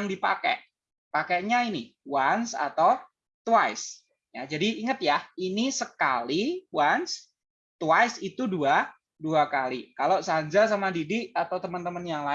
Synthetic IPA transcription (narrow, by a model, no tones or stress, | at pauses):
ŋdipa̰kɛ̰ʔ | pakeʔɲainiwansa̰t̪aw | t̪wajs | jad͡ʒadiːŋət̪̚jainisəkaliwans | t̪wajsit̪udua | duakalikalosaɲd͡ʒas̬amadidɪʔat̪awt̪əmənt̪əmənjaŋla